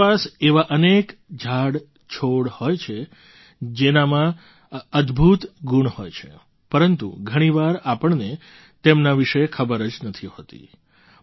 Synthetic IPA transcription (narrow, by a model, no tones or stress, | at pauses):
aseʋaʔənekd͡ʒʱaɽ | t͡ʃʰoɽhojt͡ʃʰe | d͡ʒenamã | əd̪bʱut̪ɡuɳhojt͡ʃʰḛ | pəɾənt̪ṵɡʱəɽ̃iʋaɾapəɳne | t̪emnaʋiʃekʰəbəɾəd͡ʒnət̪ʰiɦot̪ḭ